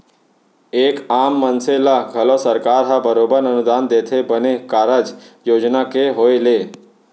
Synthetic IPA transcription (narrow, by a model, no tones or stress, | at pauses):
eːkaːmːənselaɡʱəloːsəɾkaːɾɦabəɾoːbəɾnənud̪aːnd̪eːt̪ʰebənekaːɾəd͡ʒjoːd͡ʒnakeɦoːele